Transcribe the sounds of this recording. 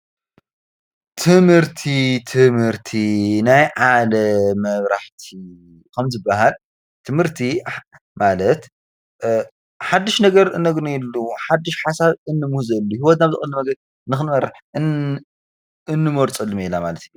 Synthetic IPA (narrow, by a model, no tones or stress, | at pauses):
t̪ʰɨmhɨɾt̪ʰit̪ʰɨmhɨɾt̪ʰinajʕalɐmɐβɾaħt̪ʰi | kʰɐmzɨbːaɦal | t̪ʰɨmhɨɾt̪ʰi | malɐt̪ | ħad̪ːɨʃnɐɡɐɾɨnːɐɡnuɛlːuħad̪ːɨʃħasaβɨnːɨmuhzɐlːuhiwɔt̪naβzɨ̰xʼɨlːumɐɡɐd̪ | nɨxɨnmɐɾaħɨ | ɨnːɨmoɾt͡sʼɨlːɨmilamalɐt̪ju